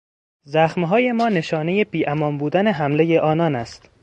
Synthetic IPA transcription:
zæxmɦɒːje̞mɒːne̞ʃɒːnejebiːʔæmɒːmbuːd̪æne̞ɦæmle̞jeʔɒːnɒːnæst̪

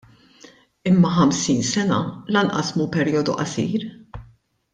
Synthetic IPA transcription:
ɪmːɐħɐmsiːnsɛnɐ̰lɐnʔɐ̰smuːpɛɾiːɔd̪ṵʔɐsḭːɾ

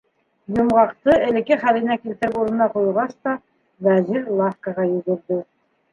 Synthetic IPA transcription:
jŏmʁɑqt̪ɤɘ̆lɘ̆kɘχælɘ̆nækilt̪ɘ̆ɾɘpuɾɤ̆nɑqujʁɑst̪ɑ | væziɾlˠɑfkɑʁɑjɵ̆ɣɵ̆ɾðɘ

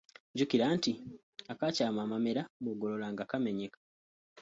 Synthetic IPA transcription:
ɲɟukiɾaːnti | akacaːmaːmameɾamuɡololaːŋɡakame̞ɲekḁ

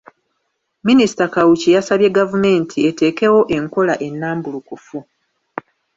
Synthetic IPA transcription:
minisi̥takawucijasaβje̞ɡavume̞ːntʰie̞te̞ːke̞wo̞ʔe̞ŋko̞laʔe̞nːaːmbulukufu

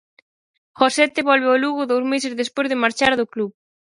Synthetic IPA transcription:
xosɛt̪eβɔlβeoluɣʊðowzmesɪzðespojzðɪmaɾt͡ʃaɾðʊkluβ

